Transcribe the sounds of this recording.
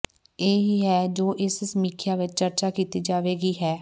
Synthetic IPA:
eːɦiːɦɛːd͡ʒoːʔɪssəmiːkʰjaːʋɪt͡ʃt͡ʃəɾt͡ʃaːkiːt̪iːd͡ʒaːʋeːɡiːɦɛː

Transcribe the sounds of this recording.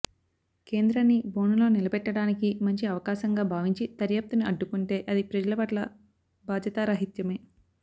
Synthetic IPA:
ke̞ːnd̪ɾɐnːibo̞ːnulo̞ːnilɐbɛʈːɐɽaːnikimɐɲt͡ʃiɐʋɐkaːʃɐŋɡaːbʱaːʋiɲt͡ʃit̪ɐɾjap̚t̪uniɐɖːukuɳʈe̞ːʔɐd̪ipɾɐd͡ʒɐlɐpɐʈlɐ | baːd̪jɐt̪aːɾɐɦit̪jɐme̞ː

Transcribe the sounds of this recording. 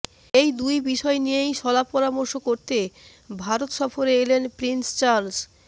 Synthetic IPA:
ejd̪ujbiʃɔenijejʃɔlapɔɾamoɾʃokoɾt̪e | bʱaɾot̪ʃɔfoɾeelenpɾinst͡ɕaɾls

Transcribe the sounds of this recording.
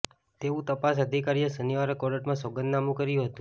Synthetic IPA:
t̪eʋũt̪əpasəd̪ʱikaɾijəsəniʋaɾəkɔɽəʈmãsoɡənd̪namũkəɾjũɦət̪ũ

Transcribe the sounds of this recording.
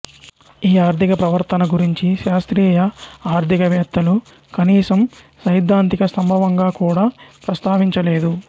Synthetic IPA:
iːaːɾt̪ikɐpɾɐʋɐɾt̪ʰɐnɐɡuɾiɲt͡ʃiʃaːst̪ɾiːjɐaːɾd̪ʱikɐʋɛːt̪ːɐlu | kɐniːsɐm | sɐjd̪ʱːaːnt̪ikɐsɐmbʱɐʋɐŋɡaːkuːɽaːpɾɐst̪aːʋiɲt͡ʃɐleːd̪u

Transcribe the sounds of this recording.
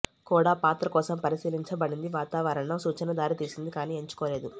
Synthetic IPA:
kuːɽaːpaːt̪ɾɐkɔːsɐmpɐɾisiːliɲt͡ʃɐbɐɽind̪iʋaːt̪aːʋɐɾɐɳːɐsuːt͡ʃɐnɐd̪aːɾit̪iːsind̪ikaːniːeɲt͡ʃu̥kɔːle̞ːd̪u

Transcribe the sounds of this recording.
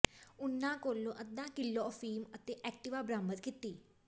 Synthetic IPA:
ʊnːãːkoːlõːʔəd̪ãːkɪlːoːɔfiːmət̪eːʔɛk̚ʈɪʋaːbɾaːmət̪kɪt̪ːiː

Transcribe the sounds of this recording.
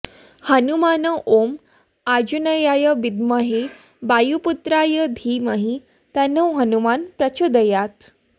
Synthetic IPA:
hənumanəʔom | ad͡ʑunəjajəʋid̪məɦe | bajuput̪ɾajəd̪ʱiməɦi | t̪anəwɦənumanpɾət͡ɕod̪əjat̪

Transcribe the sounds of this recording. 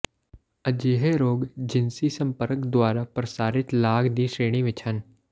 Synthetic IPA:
əd͡ʒeːɦeɾoːɡd͡ʒɪnsisə̃mpəɾəkd̪waːɾapɾəsaːɾɪt̪laːɡd̪iːʃeːɽ̃iʋɪt͡ʃɦən

